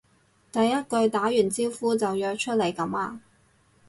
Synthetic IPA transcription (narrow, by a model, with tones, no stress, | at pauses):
t̪ɐ˨jːɐ˥t̚kɵ˧ɥt̪aː˨˥jyː˨˩nt͡siː˥wfuː˥t͡sɐ˨wjœː˧k̚t͡ʃʰɵ˥t̚le˨˩jkɐ˨˥maː˧